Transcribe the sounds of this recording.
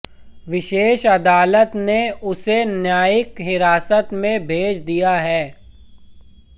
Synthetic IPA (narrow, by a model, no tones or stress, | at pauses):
ʋɪʃeːʃɐd̪aːlət̪neʊsenjaːɪkɦɪɾaːsət̪mẽbʱeːt͡ʃd̪ijaɦɛː